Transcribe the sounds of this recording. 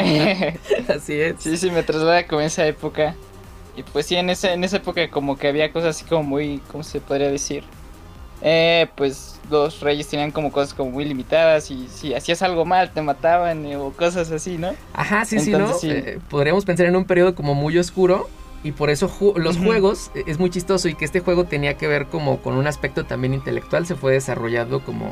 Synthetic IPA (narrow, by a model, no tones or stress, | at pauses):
e | asiessisime̞t̪ɾazlaðakomoesae̞po̞ka | ipwe̞sːiene̞seːne̞sae̞po̞kako̞mo̞keaβiako̞sasasi̥komo̞mujkomo̞se̞po̞ðɾiaðe̞siɾ | epwe̞slo̞sre̞ʝest̪e̞niaŋko̞mo̞ko̞sasko̞mo̞mujlimit̪aðasisiasiasalɣo̞malt̪e̞mat̪aβanokos̬as̬asinoa̰xasinsionosepo̞ð̞ɾiamo̞s̬pe̞nsaɾe̞nũmpe̞ɾjo̞ð̞o̞ko̞mo̞mujo̞skuɾo̞ | ipo̞ɾe̞so̞xulo̞sxwe̞ɣo̞se̞zmujt͡ʃist̪o̞so̞ikeest̪e̞xwe̞ɣ̞o̞t̪e̞niake̞β̞e̞ɾko̞mo̞ko̞̰nũnaspe̞k̚t̪o̞t̪ambje̞nint̪e̞lek̚t̪wals̬e̞fwe̞ðe̞saro̞ʝaðo̞ko̞mo̰